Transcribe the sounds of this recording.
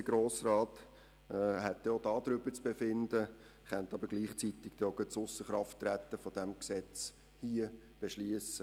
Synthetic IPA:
əɡɾoːsrɑːt̪ː | hɛt̪ːɛodɑːd̥̪ɾʏbət͡sb̥efɪndə | χɛnt̪ɑbəɾɡ̥liːχt͡sit̪ɪkd̥̪ɛoɡəsʊsəχɾɑftːɾæt̪ːəfɔd̥̪ɛmksɛt͡s | hiə | b̥eʃliəsə

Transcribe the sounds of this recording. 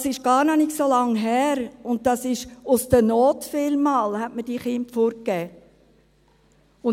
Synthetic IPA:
ɑsɪʃɡ̥ɑːɾnɔnɪksolɑŋɦæːɾʊnt̚d̥ɑsɪʃʊsd̥ənɔːtfɪlmɑːlhɛtməd̥iːχɪmpfoɾkːɛː | ʊn

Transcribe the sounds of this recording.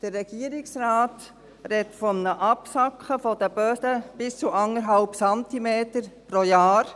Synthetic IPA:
d̥ərːɛɡ̥iəɾɪksɾaːt | ɾɛtfɔmnəʔɑpsɑkχəfɔd̥̪əb̥œːsəb̥ɪst͡suʔɑŋəɾɦɑlpsɑntimeːtəɾpɾojaːɾ

